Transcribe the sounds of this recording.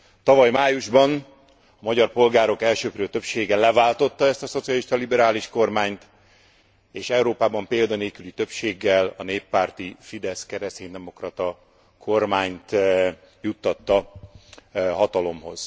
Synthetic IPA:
t̪ɒvɒjmaːjuʒbɒn | ɒmɒɟɒrpo̞lɡaːɾo̞kɛlʃøːkrøːt̪ø̞pʃeːɡɛlɛvaːlt̪o̞t̪ːɒɛst̪ɒso̞t̪sijɒliʃt̪ɒlibɛɾaːliʃko̞rmaːɲt̪ | eːʃɛuɾoːpaːbɒmpeːld̪ɒneːkylit̪ø̞pʃeːɡːɛlɒneːpːaːrt̪ifid̪ɛskɛɾɛst̪eːɲd̪ɛmo̞krɒt̪ɒ | kʰo̞rmaːɲt̪ | jut̪ːɒt̪ːɒ | ɦɒt̪ɒlo̞mho̞̰z̥

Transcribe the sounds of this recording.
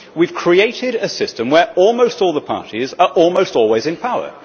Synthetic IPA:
wiv̥kʰɹ̥ieɪtɪɾəsɪstə̃mwəɹɔːlˠmoʊstɔːlˠðəpʰɑ̰ˑtʰizəɹʔɔːlˠmoʊstɔːlˠwɪzɪ̃npʰaʊə̰

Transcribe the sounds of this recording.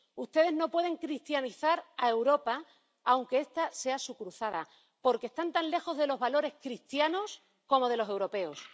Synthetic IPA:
ust̪e̞ð̞e̞ɦno̞pwe̞ð̞e̞ŋkɾist̪janiθaɾae̞wɾo̞pa | awŋke̞e̞st̪ase̞asukɾuθaða̰ | po̞ɾkest̪ant̪anle̞xo̞zðe̞lo̞ɦβalo̞ɾe̞hkɾist̪jano̞s | ko̞mo̞ð̞e̞lose̞wɾo̞pe̞os

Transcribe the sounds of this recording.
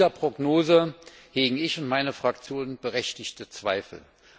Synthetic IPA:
zɐpʁ̥oɡnoːzəheːɡŋ̩ɪçʊntmaɪnəfʁ̥akt͡sjoːnənb̥əʁɛçtɪçtət͡sv̥aɪfl̩

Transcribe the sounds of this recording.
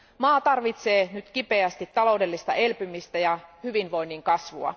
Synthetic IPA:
mɑːt̪ɑrʋit̪seːnyt̪k̟ipeæst̪it̪ːɑlo̞udelːist̪ɑ̰ʔelpymist̪æjɑhyʋinʋo̞inːiŋkɑsʋuɑ̰

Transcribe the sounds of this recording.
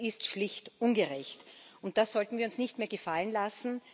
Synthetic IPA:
ɪstʃlɪçtʔʊnɡəʁɛçtʊnt̚d̥asz̥ɔltn̩viːɐʊnsnɪçtmeːɐɡəfalənlasn̩

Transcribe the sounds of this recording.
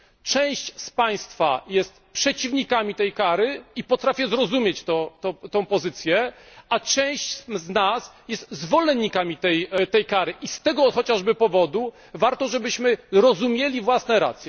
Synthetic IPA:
t͡ʂɛ̃w̃ɕt͡ɕspaj̃st̪fa̰jɛst̪pʂɛt͡ɕivɲikamʲit̪ɛjkaɾɘipɔt̪ɾafʲjɛzɾɔzumʲjet͡ɕt̪ɔt̪ɔt̪ɔ̃w̃pɔzɘt̪sʲjɛat͡ʂɛ̃w̃ɕt͡ɕznasjɛst̪zvɔlɛnːikamʲit̪ɛjt̪ɛjkaɾɘʔist̪ɛɡɔxɔt͡ɕaʐbɘpɔvɔd̪u | vaɾt̪ɔʐɛbɘɕmɘɾɔzumʲjelʲivwasnɛɾa̰t̪sʲjɛ

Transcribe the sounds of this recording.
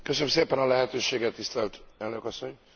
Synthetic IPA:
køsønømseːpɛnɒlɛɦɛt̪øːʃeːɡɛt̪ːist̪ɛlt̪ɛlnøkɒsːo̞ɲ

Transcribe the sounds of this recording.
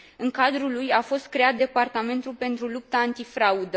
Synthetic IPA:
ɨŋkad̪ɾulujafo̞st̪̚kɾe̞at̪̚d̪e̞part̪ame̞nt̪ulpe̞nt̪ɾulup̚t̪aːnt̪ifɾaud̪ə

